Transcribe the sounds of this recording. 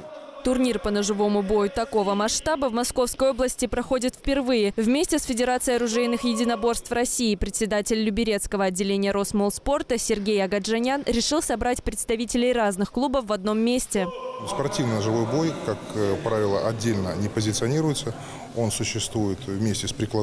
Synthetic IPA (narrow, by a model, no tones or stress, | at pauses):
t̪ʊrnʲirpənəʐɨvo̞mʊbo̞jʊt̪ɐko̞vəmɐʂt̪abəvmɐsko̞fskəjo̞blˠəsʲtʲɪpɾɐxo̞dʲɪt̪fʲpʲɪrvɨjɪvmʲesʲtʲɪsfʲɪdʲɪɾat̪sɨjɐɾʊʐɛjnɨxjɪdʲɪnɐbo̞rst̪frɐsʲiːpɾʲɪt̪sʲɪd̪atʲɪlʲːʊbʲɪɾʲe̞t̪skəvəɐdʲːɪlʲenʲɪjəɾo̞smolˠspo̞rt̪əsʲɪrɡʲejɐɡɐʐɐnʲanɾʲɪʂɨlˠsɐbɾatʲpɾʲɪt̪st̪ɐvʲitʲɪlʲɪjraznɨxklˠubəfvɐd̪̚no̞mːʲesʲtʲɪspɐrtʲivnəəʐɨvo̞jbo̞jkakpɾavʲɪlˠəʔɐdʲːelʲnənʲɪpəzʲɪt̪sɨɐnʲiɾʊjɪt̪sə | o̞nsʊɕːɪst̪vujɪt̪vmʲesʲtʲɪspɾʲɪklˠɐ